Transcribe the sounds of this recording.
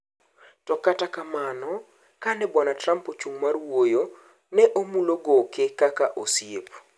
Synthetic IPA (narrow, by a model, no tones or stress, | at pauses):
tɔkatakamanɔ | kanɛbwanatrampot͡ʃuŋmarwojo | nɛʔomuloɡɔkɪkakaʔosjep